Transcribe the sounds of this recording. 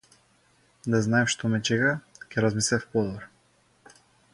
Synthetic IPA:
d̪aznaɛʃt̪ɔmɛt͡ʃɛɡakʲɛɾazmislɛfpɔd̪ɔɾ

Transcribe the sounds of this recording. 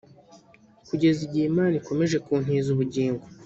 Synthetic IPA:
kuɟe̞ziɟiːmaːniko̞me̞ʒe̞kuːn̥iːzuβuɟiːŋɡo

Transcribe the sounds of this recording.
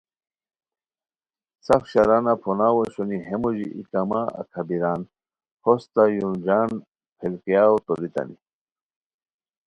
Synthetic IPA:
sɐfɕɐɾanapʰonaːwoɕoniɦemoʑiʔikamaɐ̰kʰɐbiɾaːn | hʰost̪ajund͡ʑaːn | pʰelkijaːwt̪oɾit̪ɐ̰ni

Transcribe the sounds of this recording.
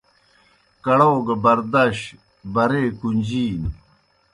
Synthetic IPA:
kɐɽoːɡɐbɐɾd̪ɐɕ | bɐɾeːkund͡ʑiːn

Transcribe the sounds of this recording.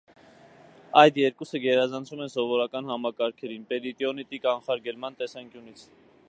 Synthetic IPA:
ɑjd̪jɛɾkusəɡɛɾɑzɑnt͡sʰumɛnsɔvɔɾɑkɑnɦɑmɑkɑɾkʰɛɾinpɛɾit̪iɔnit̪ikɑnχɑɾɡɛlmɑnt̪ɛsɑŋkjunit͡sʰ

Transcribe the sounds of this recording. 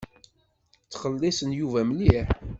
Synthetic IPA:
t͡sːχəlːisənjuvæməliħ

